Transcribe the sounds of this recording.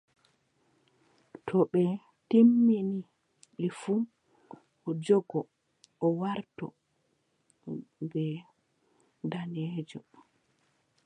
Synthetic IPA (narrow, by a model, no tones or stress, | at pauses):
tʰɔɓɛ | timːini | ɓɛfum | ʔɔd͡ʒɔɡɔ | ɔwaɾtɔ̰ | bɛ | danɛːd͡ʒɔ